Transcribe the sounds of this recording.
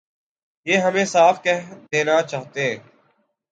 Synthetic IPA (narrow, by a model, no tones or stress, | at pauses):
jeːɦəmẽːsaːfkɛɦd̪eːnaːt͡ʃaːɦt̪eɛ̃ː